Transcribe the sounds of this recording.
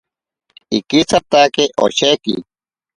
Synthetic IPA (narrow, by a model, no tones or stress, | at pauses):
ikit͡sʰat̪akeʔo̰ɕekḭ